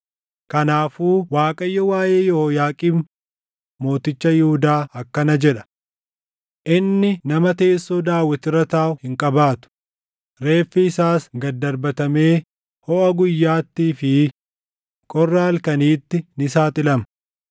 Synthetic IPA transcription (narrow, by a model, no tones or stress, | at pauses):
kɐnaːfuːwaːkʼɐjːɔwaːje̞ːjɔhojaːkʼiːm | mo̞ːt̪ɪt͡ʃːɐjɪhʊd̪aːɐkːɐnɐd͡ʒɛᶑɐ̥ | ʔɪnːɪnɐmɐt̪eːsːoːd̪aːwːɐt̪ɪrɐt̪aːʔʊhɪŋkʼɐbaːt̪ʊ̥ | ɾe̞ːfːɪɪsaːsɡɐd̪ːɐɾbɐt̪ɐme̞ː | hɔʔɐɡʊjːaːt̪ːiːfɪ | kʼɔrːaɐlkɐniːt̪ːɪnɪsaːt̪ɪlɐmɐ